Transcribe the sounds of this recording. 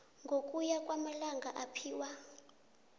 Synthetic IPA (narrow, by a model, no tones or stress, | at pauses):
ŋɡʱokʼujakʼwamalaŋɡʱaʔapʰiːwa